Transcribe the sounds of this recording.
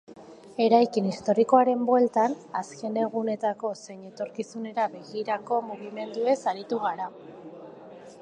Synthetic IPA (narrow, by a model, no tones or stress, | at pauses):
e̞ɾajkinist̪o̞ɾiko̞aɾe̞mbwe̞lt̪anaske̞ne̞ɣune̞t̪ako̞se̞ɲe̞t̪o̞ɾkisune̞ɾaβe̞ɣiɾako̞muɣime̞nd̪ue̞saɾit̪uɣaɾa